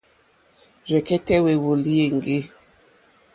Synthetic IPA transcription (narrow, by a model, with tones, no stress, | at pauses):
ɾɛ˨kɛ˦tɛ˦we˨wo˨li˦je˨ŋ˨ɡe˦